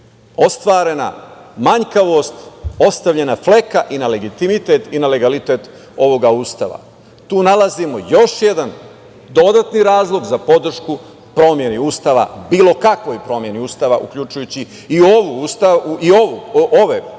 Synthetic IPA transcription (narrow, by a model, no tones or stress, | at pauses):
o̞st̪ʋaːɾe̞na̰maɲkaʋo̞st̪o̞st̪aʋʎe̞nafle̞kaʔinale̞ɡit̪imit̪e̞t̪inale̞ɡalit̪e̞ːt̪ | o̞ʋo̞ɡauːst̪a̰ʋa̰ | t̪uːnalazimo̞jo̞ʃje̞d̪an | d̪o̞d̪at̪niɾaːzlˠo̞ɡzapo̞d̪r̩ʃku | pɾo̞mje̞niuːst̪aʋa̰biːlo̞kakʋo̞jpɾo̞mje̞niuːst̪aːʋaʔṵkʎut͡ʃujut͡ɕi | ioʋust̪auiouʔoʋe